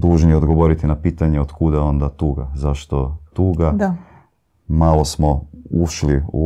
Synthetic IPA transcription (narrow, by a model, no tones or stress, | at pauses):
d̪uːʒnieod̪ɡoʋo̞ɾit̪inapiːt̪aɲeot̪kud̪ao̞nd̪at̪uːɡa̰zaʃt̪ot̪uːɡad | malo̞smouʃliṵ